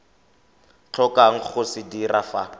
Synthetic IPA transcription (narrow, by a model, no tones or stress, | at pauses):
t͡ɬʰɔkaŋ̩χʊsɪdirʔafa